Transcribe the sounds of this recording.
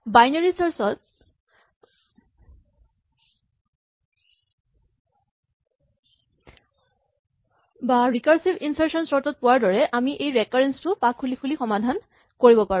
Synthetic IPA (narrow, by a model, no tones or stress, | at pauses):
bajnaɹisɔɹsɔt | baɹikaɹsibinsaɹsɔnsɔɹtɔt̚pʊwaɹdɔɹɛʔamiʔejɹɛkɔɹɛnstʊpakʰːulikʰulixɔmadʱan | koɹibɔpaɹũ